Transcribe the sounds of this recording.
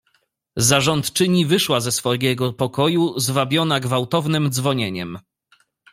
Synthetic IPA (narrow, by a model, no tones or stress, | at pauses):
zaʐɔnt̪t͡ʂɘɲivɘʂwazɛsfɔjʲɛɡɔpɔkɔjuzvabʲjɔnaɡvawt̪ɔvnɘmd̪zvɔɲeɲɛm